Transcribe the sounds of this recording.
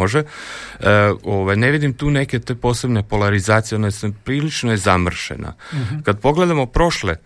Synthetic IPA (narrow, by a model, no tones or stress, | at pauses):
oʒe | oʋajne̞ʋid̪imt̪uːne̞ket̪e̞po̞ːse̞bne̞po̞laɾizaːt̪sijo̞naesepɾiːlit͡ʃnojezamr̩ʃḛna̰kad̪̚po̞ɡle̞d̪amopɾo̞ʃle